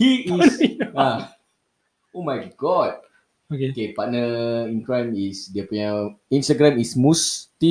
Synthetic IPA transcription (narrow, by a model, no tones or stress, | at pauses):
hiisa | omajɡɔt̚ | okekepat̚nəinkɾɛ̃misdiəpuɲaĩnstaɡɾãmismust̪i